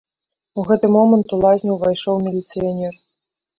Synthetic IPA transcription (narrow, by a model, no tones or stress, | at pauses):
uɣɛt̪ɨmɔmɐnt̪ulˠazʲnʲiwvajʂɔwmʲilʲit̪sɨjanʲɛr